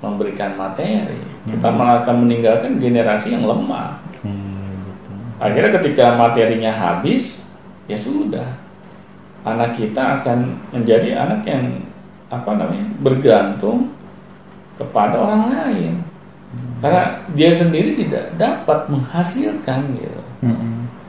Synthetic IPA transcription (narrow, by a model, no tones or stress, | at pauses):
məmbəɾikanmat̪eɾḭkit̪amaakanməniŋɡalkanɡeneɾasijaŋləma̰h | a̰kirɲakət̪ikamat̪eɾiɲaɦa̰bɪs | jasudah | ʔanakːit̪aːkanməɲd͡ʒadiʔa̰nakjaŋ | apanamaɲabərɡant̪ʊŋ | kəpadaoɾaŋlaɪn | karnadiasəndiɾit̪ida̰ʔdapat̪̚məŋhasilkanɡḭt̪ṵ